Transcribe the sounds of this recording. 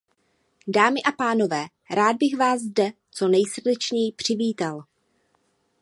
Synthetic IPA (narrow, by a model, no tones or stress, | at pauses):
daːmɪʔapaːno̞vɛː | ɾaːd̪̚bɪxvaːzzdɛ | t͡so̞nɛjsr̩dɛt͡ʃɲɛjpr̝̥ɪviːt̪al